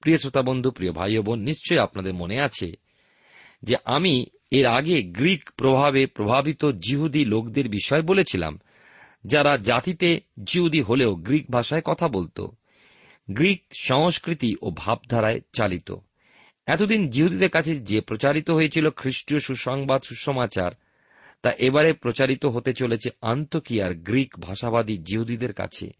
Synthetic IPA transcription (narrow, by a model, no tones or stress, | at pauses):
pɾiosɾot̪abond̪ʱupɾiobʱa̰jobonːiʃt͡ɕojapnad̪eɾmoneat͡ɕʰḛ | d͡ʑeʔami | eɾaɡeɡɾikpɾobʱabepɾobʱabit̪od͡ʑiɦud̪ilokd̪eɾbiʃɔebolet͡ɕʰila̰m | d͡ʑaɾad͡ʑat̪it̪ed͡ʑiɦud̪iɦoleoɡɾik̚bʱaʃaekɔt̪ʰabolt̪o̰ | ɡɾik̚ʃɔŋoʃkɾit̪iʔobʱab̚d̪ʱaɾaet͡ɕalit̪o̰ | ɛt̪od̪ind͡ʑiɦud̪id̪eɾkat͡ɕʰed͡ʑepɾot͡ɕaɾit̪oɦojet͡ɕʰilokʰɾiʃʈioʃuʃɔŋbad̪ʃuʃomat͡ɕa̰ɾ | t̪aʔebaɾepɾot͡ɕaɾit̪oɦot̪et͡ɕolet͡ɕʰea̰nt̪okiaɾɡɾikbʱaʃabad̪id͡ʑiɦud̪id̪eɾka̰t͡ɕʰḛ